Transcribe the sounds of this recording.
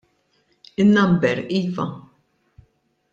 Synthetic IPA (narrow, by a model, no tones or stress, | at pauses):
ɪnːɐmbɛɾiːvɐ